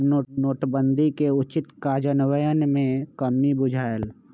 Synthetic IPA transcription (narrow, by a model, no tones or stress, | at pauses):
noːnoːʈbə̃nd̪ʱikeʊt͡ʃɪt̪kaːd͡ʒənwəjənmẽkəmibʊd͡ʒʱaːl